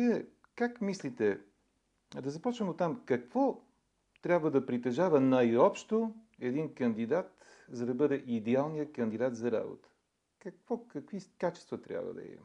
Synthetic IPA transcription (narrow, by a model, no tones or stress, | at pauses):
viɛ | kakmislit̪ɛ | d̪ɐzɐpɔt͡ʃvəmot̪ːamkɐkvɔ | t̪ɾʲabvəd̪ɐpɾit̪ɛʒavənajɔpʃt̪oɛd̪inkənd̪id̪at̪ | zɐd̪ɐbɤd̪ɛʔid̪ɛalˠnijəkɐnd̪id̪at̪zɐɾa̰bo̰t̪ə̥ | kɐkvɔkɐkvikat͡ʃɛ̥st̪vət̪ɾʲa̰bvə̰d̪ɐ̰ɛ̰m